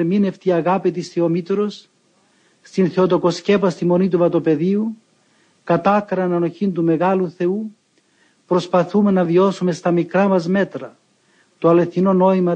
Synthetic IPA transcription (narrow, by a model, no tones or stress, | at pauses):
mineft̪iɐɣapit̪isθiomit̪ɾo̞s | st̪inθeo̞t̪o̞ko̞sce̞pɐst̪imo̞nit̪uvɐt̪o̞pe̞ðiu | kɐt̪ɐkɾɐnɐno̞çint̪ume̞ɣɐluθe̞u | pɾo̞spɐθume̞nɐvio̞sume̞st̪ɐmikɾɐmɐzme̞t̪ɾɐ | t̪oɐle̞θino̞no̞imɐ